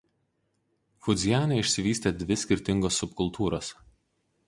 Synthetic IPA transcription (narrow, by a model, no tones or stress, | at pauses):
fʊd̪zʲɪjæːneɪʃʲsʲɪʋʲiːsʲt̪ʲeːd̪ʲʋʲɪsʲkʲɪɾʲt̪ʲɪŋɡoːsːʊpkʊlˠt̪uːɾoːs